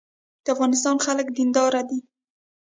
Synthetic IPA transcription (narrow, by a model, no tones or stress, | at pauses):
d̪̥əafɣɑnɪst̪ɑnxaləkd̪ind̪ɑɾad̪i